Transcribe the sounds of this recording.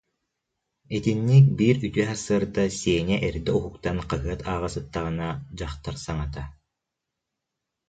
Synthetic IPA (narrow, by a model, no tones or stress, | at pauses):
it̪inːik̚biːɾyt̪yɛɦasɯɐɾd̪asiɛnɛʔɛɾd̪ɛuɦukt̪anqaɦɯɐt̪ʰaːʁasɯt̪ːaʁɯnad͡ʑaχt̪aɾsaŋat̪a